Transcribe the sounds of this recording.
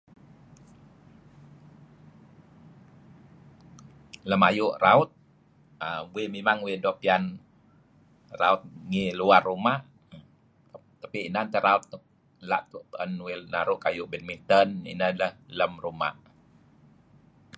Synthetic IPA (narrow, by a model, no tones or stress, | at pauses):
ləmajuʔraut̪̚ | əmbuimemaŋwidɔpian | raut̪̚ŋiluarːumaʔ | t̪apiinant̪əɾaut̪ʔ | laʔt̪uʔpənwelnaɾʊʔkajuʔbɛnmint̪ənḭnələhləmruma̰ʔ